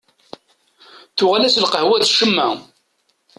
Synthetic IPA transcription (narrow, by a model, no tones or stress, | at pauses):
θʊʁalæslqəhwæðʃəmːæ